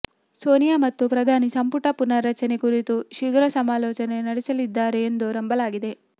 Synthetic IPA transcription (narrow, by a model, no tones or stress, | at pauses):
soːnijamɐt̪ːupɾɐd̪ʱaːnisɐmpuʈɐpunːɐɾɐt͡ʃɐne̞kuɾit̪uʃiɡɾɐsɐmaːlɔːt͡ʃɐne̞nɐɽisɐlid̪ːaːɾe̞ːnd̪uɾɐmbɐlaːɡid̪e̞